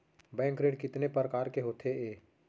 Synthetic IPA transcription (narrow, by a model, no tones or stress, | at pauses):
bɛ̃ːŋkɾeːɖkɪt̪nepəɾkaːɾkeɦoːt̪ʰeeː